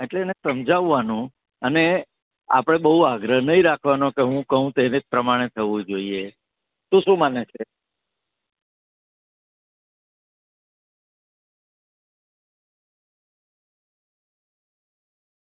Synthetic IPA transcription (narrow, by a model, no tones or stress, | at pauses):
eʈleːnesəmd͡ʒaʋːanũ | əne | a̰pɽ̃ebəɦuaɡɾəɦnəɦĩɾakʰʋanokeɦũkəɦũt̪enepɾəmaɽ̃et̪ʰəʋũd͡ʒoie | t̪ũʃũmanet͡ʃʰe